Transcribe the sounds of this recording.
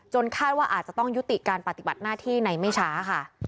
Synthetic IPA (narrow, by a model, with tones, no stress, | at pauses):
t͡ɕo˧nkʰaː˥˩t̪̚waː˥˩ʔa̰ː˨˩t̪̚t͡ɕa˨˩t̪ɔ˥˩ŋju˦˥t̪i˨˩kaː˧npɾa˧˩t̪i˨˩ba˨˩t̪̚naː˥˩t̪ʰiː˥˩na˧jma˥˩jt͡ɕʰaː˦˥ka˥˩